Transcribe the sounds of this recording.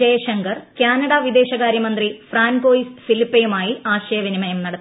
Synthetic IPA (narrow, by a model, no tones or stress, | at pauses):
ejɐɕɐŋɡɐrkaːnɐɽɐʋid̪e̞ːɕɐɣaːɾjɐmɐnd̪rifraːnɡo̞ːjisfilipːɐjumaːjiʔaːɕɐjɐʋinimɐjɐmnɐɽɐ